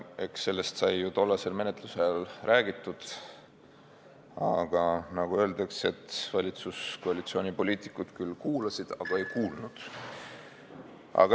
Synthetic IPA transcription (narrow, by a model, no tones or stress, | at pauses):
e̞̰kse̞lːe̞st̪sɑjːut̪o̞lːɑse̞lme̞ne̞t̪ˑluselrʔæːɡit̪ːˑud̪̥ | ɑɡ̥ɑnɑɡ̥uø̞ld̪ekse̞t̪ːˑvɑlʲit̪susko̞ɑlit̪sio̞nʲipo̞lʲiːt̪ˑi̥kːˑud̪̥kylːkuːlɑsid̪̥ɑ̰ɡ̥ɑe̞jkuːlnud̪̥ | ʔɑ̰ɡ̥ɑ